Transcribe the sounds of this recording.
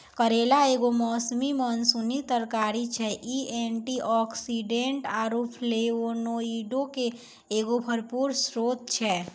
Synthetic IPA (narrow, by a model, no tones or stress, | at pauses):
kəɾeːlaeːɡomɔːsmimənsunit̪əɾkaːɾit͡ʃʰɛʔieɳʈiʔɔːksiɖẽɳʈaːɾupʰleonoiɖõke | eːɡobʱəɾpuːɾsɾoːd̪̚t͡ʃʰɛ